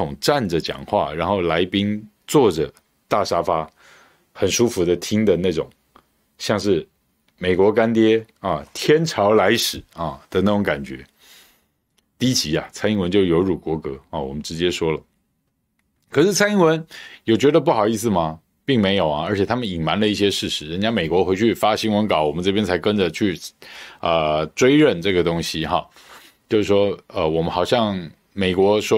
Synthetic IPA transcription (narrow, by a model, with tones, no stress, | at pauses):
ʊ˨˩ŋʈ͡ʂa˥˩nd͡zə˩t͡ɕjɑ̰˨˩ŋxwa̰˥˩ɻa˧˥nxo˥˩ʊla˧˥ɪpi˥ŋ | t͡swɔ˥˩ʈ͡ʂə˨˩ | t̪a˥˩ʂa˥fa˥ | xə˨˩nʂu˥fu˧˥d̪ə˧t̪ʰi˥ŋd̪ə˨na˥˩ʈ͡ʂʊ̰˨˩˦ŋ | ɕjɑ˥˧ŋʂɻ̩˥˩ | me˨˩ɪkwɔ˧˥ka˥nt̪jɛ˥ɐ˥˨t̪ʰjɛ˥nʈ͡ʂʰɑ˧˥ʊla˧˥ɪʂɻ̩˨˩ɐ˥˩d̪̥ə˧˦na˥˩ʈ͡ʂʊ˧˥ŋka˨˩nt͡ɕɥɛ̰˧˥ | t̪i˥˧˥t͡ɕʰi˧˥ɐ̰˧t͡sʰa˥ɪi˥ŋwə˧˦nt͡ɕjo˥˩ʊjo˧˥ʊɻu˨˩kwɔ˧˥kɤ˧˥ɑ̰˥˩wɔ̰˨˩mə˦nʈ͡ʂɻ̩˧˥t͡ɕjɛ˥ʂwɔ˥lə˩ | kʰɤ˨˩ʂɻ̩˥˩t͡sʰa˥ɪi˥ŋwə˧˥njɔ˨˩ʊt͡ɕɥɛ˧˥d̪ə˧p̬u˥˩xɑ˨˩ʊi˥˧s̬ɹ̩˩mɐ˩ | pi˥˩ŋme˧˥ɪjo˨˩ʊɐ˦ə˞˧˥t͡ɕʰɛ˨˩t̪ʰa˥mə˨ni˨˩ŋma˧˥nlə˧i˥˩ɕ̬jɛ˥ʂɻ̩˥˩ʂɻ̩˧˥ɻə˧˥nt͡ɕja˥me˨˩ɪkwɔ˧˥xwe˧˥ɪt͡ɕʰy˥˩fa˥ɕi˥ŋwə˧˥nkɑ˨˥ʊwɔ˨˩mə˦ʈ͡ʂɤ˥˩pjɛ˥nt͡sʰa˧˥ɪkə˥nd͡ʒə˨t͡ɕʰy˥˩ | ə˧ʈ͡ʂwe˥ɪɻə˥˧nʈ͡ʂɤ˥˩ɡə˩t̪ʊ˥ŋɕi˧˥xɑ˥˩ | t͡ɕjo˥˧ʊʂ̩˩ʂwɔ˥ə˧wɔ˨˩mə˦nxɑ˨˩ʊɕjɑ˥˩ŋ | me˨˩ɪkwɔ˧˥ʂwɔ˥